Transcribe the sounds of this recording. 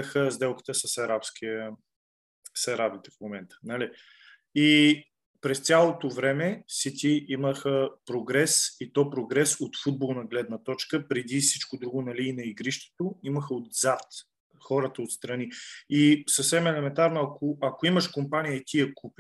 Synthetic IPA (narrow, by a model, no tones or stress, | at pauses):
xəzd̪ɛlˠkə̥t̪əsəsɐɾapskiə | sɐɾabit̪ɛfmomɛnt̪ə̥nɐli | i | pɾɛst̪sʲalˠot̪ovɾɛmɛsit̪ʲiʔiməxəpɾoɡɾɛsit̪ɔpɾoɡɾɛsot̪fud̪̚bolˠnɐɡlɛd̪nət̪ɔt͡ʃkəpɾɛd̪isit͡ʃkod̪ɾuɡʊnɐliːnɐiɡɾiʃt̪ɛ̥t̪oiməxəod̪zat̪ | xɔɾət̪əot̪st̪ɾɐniisəfsɛmɛlɛmɛnt̪aɾnʊɐkʰoɐkoiməʃkompanijəit̪ijɛkʰupi